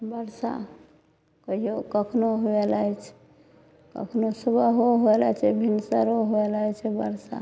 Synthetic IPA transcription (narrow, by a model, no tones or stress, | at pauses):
bəɾsa̰ | kəɦijokəkʰnoɦoelajt͡ʃʰɛ̥ | kə̰kʰnosəbəɦoɦoelat͡ʃʰɛbʱinsəɾoɦoelajt͡ʃʰɛbəɾsa̰